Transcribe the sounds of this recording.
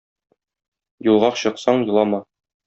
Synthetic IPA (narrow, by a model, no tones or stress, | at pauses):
julˠʁɑqɕɤ̆qsɑɴjɤ̆lˠɑmɑ